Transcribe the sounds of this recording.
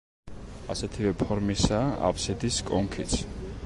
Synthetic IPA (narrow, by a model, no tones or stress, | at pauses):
asɛt̪ʰivɛpʰɔɾmisaʔa̰pʰsɛd̪iskʼɔŋkʰit̪sʰ